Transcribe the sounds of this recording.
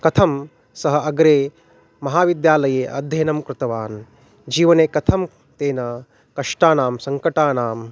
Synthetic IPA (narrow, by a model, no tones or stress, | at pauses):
kɐt̪ʰɐm | sɐɦɐʔɐɡɾeː | mɐɦaːʋid̪jaːlɐjeːʔɐ̰d̪ʱjɐjɐnɐmkɾɪt̪ɐʋaːn | d͡ʒiːʋɐneːkɐt̪ʰɐm | t̪eːnɐ | kɐʂʈaːnaːmsɐŋkɐʈaːnaːm